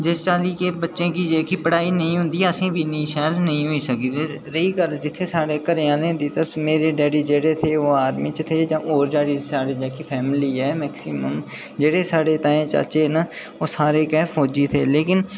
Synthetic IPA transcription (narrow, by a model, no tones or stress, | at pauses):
d͡ʒɪst͡ʃaːliːkeːbətːʃẽːkiːd͡ʒeːkiːpəɽaːiːnəĩːɦʊ̃nd̪iːəsĩːbʱiːnĩːʃɛːlnəɦĩːɦoːiːsəkiːd̪eːɾəiːkəɾd͡ʒɪt̪ʰːeːsaːɽeːkəɾɪjãːnẽːd̪iːt̪əmeːɾeːɖɛːɽiːd͡ʒeːɽeːt̪ʰeːoːaːɾmɪ̃t͡ʃt̪ʰeːd͡ʒãːʔoːɾd͡ʒaːɽiːsaːɽeːd͡ʒɛːkipʰɛːmɪliːɦɛːmɛːksiməm | d͡ʒeːɽeːsaːɽeːt̪aːẽːt͡ʃa̰ːt͡ʃeːnaː | oːsaːɾeːkɛːfʰoːd͡ʒiːt̪ʰeːleːkɪn